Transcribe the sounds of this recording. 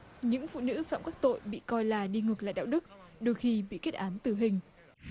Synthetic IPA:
ɲɨ̰˧˥ŋfṵ˧˨nɨ̰˧˥fa̰ː˧˨mkaː˦˥k̚t̪o̰˧˨jɓḭ˧˨kɔ˧jlaː˨˩ɗi˧ŋɨ˨˩k̚la̰ː˧˨jɗa̰ː˧˨wɗɨ˦˥k̚ɗo˧jxi˧ɓḭ˧˨ke˦˥t̚ʔaː˨˦nt̪ɨ˨˩ɦï˨˩ŋ̟

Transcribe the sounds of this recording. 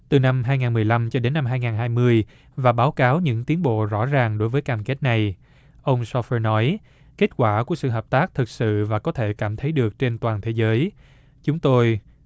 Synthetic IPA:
t̪ɨ˨˩na˧mɦaː˧jŋaː˨˩nmɨ˨˩əjla˧mt͡ɕɔ˧ɗe˨˦nːa˧mɦaː˧jŋaː˨˩nɦaː˧jmɨ˧əj | vaː˨˩ɓaː˨˦wkaː˨˦wɲɨ̰˧˥ŋt̪i˨˦ənɓo̰˧˨zɔ̰˧˥zaː˨˩ŋɗo˨˦jvəː˨˦jkaː˧mke˦˥t̚na˨˩j | ʔə˧wŋ͡msɔ˧fəː˧nɔ˨˦j | ke˦˥t̚kwaː˧˩ku˧˩əsɨ̰˧˨ɦəː˨˩p̚t̪aː˦˥k̚t̪ʰɨ˨˩k̚sɨ̰˧˨vaː˨˩kɔ˨˦t̪ʰe˧˩kaː˧˩mt̪ʰə˨˦jɗɨ˨˩ək̚t͡ɕe˧nt̪waː˨˩nt̪ʰe˨˦zəː˨˦j | t͡ɕʊ˨˦ŋ͡mt̪o˧j

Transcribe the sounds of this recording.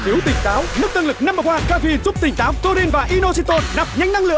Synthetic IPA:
t̪ʰi˨˦əwt̪ï˨˩ŋ̟t̪aː˨˦wnɨ˦˥ək̚t̪ə˧nlɨ˨˩k̚na˧mə˨˩aː˨˩kaː˧vi˧zu˦˥p̚t̪ï˨˩ŋ̟t̪aː˨˦wzo˧ɾi˧nvaː˨˩ʔi˧no˧si˧t̪o˧nna˨˩p̚ɲa˧jŋ̟na˧ŋlɨ̰˧˨

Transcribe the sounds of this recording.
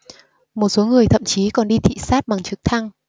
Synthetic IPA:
mo˨˩t̚so˨˦ŋɨ˨˩əjt̪ʰə̰˧˨mt͡ɕi˨˦kɔ˨˩nɗi˧t̪ʰḭ˧˨saː˦˥t̚ɓa˨˩ŋt͡ɕɨ˨˦˥k̚t̪ʰa˧ŋ

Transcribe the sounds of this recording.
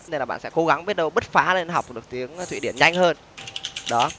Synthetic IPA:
e˧nlaː˨˩ɓ̰a̰ː˧˨nsɛ̰˧˥ko˨˦ɣa˨˦ŋɓi˦˥ət̚ɗə˧wɓə˦˥t̚faː˨˦le˧nɦa˨˩wk͡p̚ɗɨ˨˩ək̚t̪i˨˦əŋʰ˩wḭ˧˨ɗi˧˩ənɲa˧jŋ̟həː˧n | ɗɔ˨˦

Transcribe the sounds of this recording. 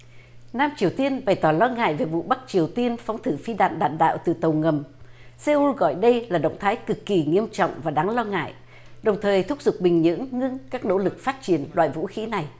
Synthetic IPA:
naː˧mt͡ɕi˨˩əwt̪i˧ənɓa˨˩jt̪ɔ˧˩lɔ˧ŋa̰ː˧˨jve˨˩vṵ˧˨ɓa˦˥k̚t͡ɕi˨˩əwt̪i˧ənfɔ˨˦wŋ͡mt̪ʰɨ˧˩fi˧ɗa̰ː˧˨nɗa̰ː˧˨nɗa̰ː˧˨wt̪ɨ̰˨˩t̪ə˨˩wŋə˨˩mse˧u˧ɣɔ̰˧˨jɗə˧jlaː˨˩ɗə̰˧˨wŋ͡mt̪ʰaː˨˦jkɨ˨˩kːi˨˩ŋi˧əmt͡ɕɔ̰˧˨wŋ͡mvaː˨˩ɗaː˨˦ŋlɔ˧ŋa̰ː˧˨jʔ | ɗə˨˩wŋ͡mt̪ʰəː˨˩jt̪ʰʊ˦˥k͡p̚zʊ˨˩k͡p̚ɓï˨˩ŋ̟ɲɨ̰˧˥əŋːɨ˧əŋkaː˦˥k̚no̰˧˥lɨ˨˩k̚faː˦˥t̚t͡ɕi˧˩ənlwa̰ː˧˨jvṵ˧˥xi˧˨˦na˨˩j

